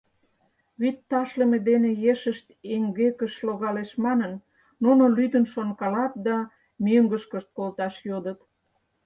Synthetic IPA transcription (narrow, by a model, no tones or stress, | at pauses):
βyt̪ːɑʃlĕmed̪enejeʃəʃt̪eŋɡekə̆ʃloɣɑleʃmɑnənː | unolyd̪ənʃonkɑlɑt̪̚d̪ɑ | myŋɡəʃkəʃt̪̚kolt̪ɑʃjod̪ət̪